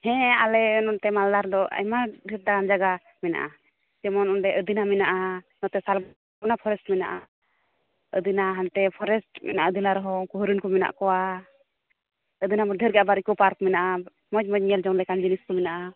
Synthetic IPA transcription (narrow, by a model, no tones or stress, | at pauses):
hɛ̃alɛnɔnt̪ɛmald̪aɾd̪ɔɛ̰maɖʱəɾ̚d̪aɡand͡ʒaɡa | mɛna̰ʔa̰ | t͡ʃɛmɔnɔnɖɛʔəd̪inamɛnaʔa | nɔt̪ɛsalb | bɔnapʰɔɾɛsʈmɛnaʔa | əd̪inaɦant̪ɛpʰɔɾɛsʈmɛ̰naʔaəd̪inaɾɔɦɔkɔɦɾinkɔmɛna̰ʔkɔwa | əd̪inamɔɖʱəɾɡɛabaɾikɔpaɾkmɛnaʔa | mɔd͡ʒmɔd͡ʒ̚ɲɛld͡ʒɔŋlɛkand͡ʒiniskɔmɛnaʔa